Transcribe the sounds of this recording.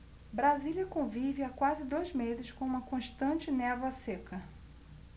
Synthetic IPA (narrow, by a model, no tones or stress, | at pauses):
bɾazilʲɐkõvivɪakwazɪd̪ojzmezɪskõũmɐkõʃt̪ɐ̃t͡ʃɪnɛvɐsekɐ